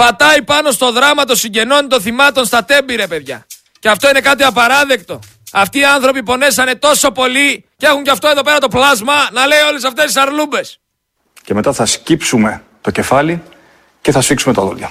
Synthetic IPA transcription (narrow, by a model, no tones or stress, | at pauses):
pɐt̪ɐipɐno̞st̪o̞ðɾɐmɐt̪o̞siɲɟe̞no̞nit̪o̞θimɐt̪o̞nst̪ɐt̪e̞biɾepe̞ðʝɐ | ceɐft̪o̞ine̞kɐt̪iɐpɐɾɐðe̞kt̪o̞ | ɐft̪iːɐnθɾo̞pipo̞ne̞sɐne̞t̪o̞so̞po̞li | cee̞xuɲceɐft̪o̞e̞ðo̞pe̞ɾɐt̪o̞plɐzmɐnɐle̞jo̞le̞sɐft̪est̪isɐɾlube̞s | ceme̞t̪ɐθɐscipsume̞ | t̪o̞ce̞fɐli | ce̞θɐsfiksumet̪ɐðo̰lɐ